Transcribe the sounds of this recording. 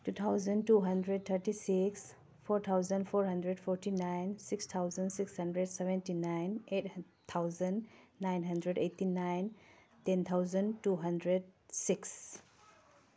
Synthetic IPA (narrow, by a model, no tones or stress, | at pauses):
tut̪ʰawzəntuɦəndɾed̚t̪ʰəɾtisiks | pʰɔɾt̪ʰawzənpʰɔɾɦɐndɾed̚pʰɔɾtinajnsikst̪ʰawzənsikshəndɾedsɛbɛ̃ntinajnet̚ | t̪ʰawzənːajnɦəndɾedejtːinajn | tent̪ʰawzəntuɦəndɾed̚siks